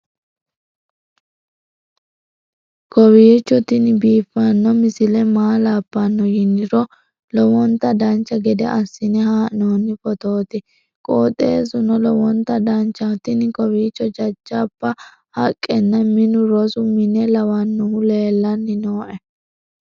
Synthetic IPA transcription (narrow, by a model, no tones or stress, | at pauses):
kɔwiːt͡ʃːɔt̪ɪnɪbiːfːɐnːɔmɪsɪlɛmaːlaːpːɐnːɔjɪnːɪɾɔ | lɔwɔnt̪ːɐd̪ɐnt͡ʃːɐɡɛd̪ɛ̰ʔɐsːɪnɛhaːʔnoːnːɪfɔt̪oːt̪ɪ | kʼoːt̪ʼe̞ːsʊnɔlɔwɔnt̪ːɐd̪ɐnt͡ʃːɐt̪ɪnɪkɔwiːt͡ʃːɔd͡ʒɐd͡ʒːɐpːɐ | hɐkʼːɛnːɐmɪnʊɾɔsʊmɪnɛlɐwɐnːʊhʊle̞ːlːɐnːɪnoːʔɛ